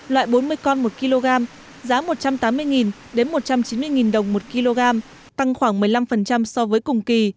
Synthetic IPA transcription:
lwa̰ː˧˨jɓo˨˦nmɨ˧əjkɔ˧nmo˨˩t̚ki˧lo˧ɣaː˧m | zaː˨˦mo˨˩t̚t͡ɕa˧mt̪aː˨˦mːɨ˧əjŋi˨˩n | ɗe˨˦nmo˨˩t̚t͡ɕa˧mt͡ɕi˨˦nmɨ˧əjŋi˨˩nɗə˨˩wŋ͡mmo˨˩t̚ki˧lo˧ɣaː˧m | t̪a˧ŋxwaː˧˩ŋmɨ˨˩əjla˧mfə˨˩nt͡ɕa˧msɔ˧vəː˨˦jkʊ˨˩ŋ͡mki˨˩

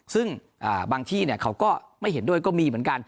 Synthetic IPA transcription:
sɯ˥˩ŋ | ʔaː˨˩baː˧ŋt̪ʰiː˥˩ni˥˩ɐkʰa˦˥wkɔː˥˩ | ma˥˩jɦhe˩˦ndu˥˩əjkɔː˥˩miː˧mɯ˩˦ənka˧n

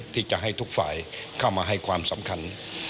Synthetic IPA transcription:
t̪ʰiː˥˩t͡ɕa˧˩ʔɦa˥˩jt̪ʰu˦˥k̚fa̰ː˨˩˦jkʰa˥˩wmaː˧ɦa˥˩jkʰwaː˧msa˩˦mkʰa˧n

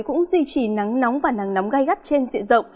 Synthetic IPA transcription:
kʊ̰˧˥ŋ͡mzwi˧t͡ɕi˧˩na˨˦ŋna˨˦wŋ͡mvaː˨˩na˨˦ŋna˨˦wŋ͡mɣa˧jɣt̚t͡ɕe˧nzḭ˧˨zə̰˧˨wŋ͡m

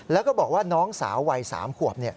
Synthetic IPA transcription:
lɛː˦˥wkɔː˥˩bɔː˨˩k̚waː˥˩nɔː˦˥ŋsa̰ː˩˦wːa˧jsa̰ː˩˦mkʰu˨˩əp̚ni˥˩ɐ

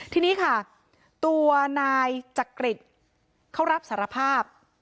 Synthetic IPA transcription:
t̪ʰiː˧niː˦˥kʰa˥˩ | t̪u˧ɐnaː˧jt͡ɕa˨˩kɾi˨˩t̪̚ | kʰa˥˩wɾa˦˥p̚saː˩˦ɾa˧pʰaː˥˩p̚

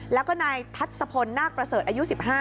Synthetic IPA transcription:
lɛː˦˥wkɔː˥˩naː˧jt̪ʰa˦˥t̪̚sa˧pʰo˧nːaː˥˩k̚pɾa˧sɤː˨˩t̪ʔaː˧ju˦˥si˨˩p̚ɦaː˥˩

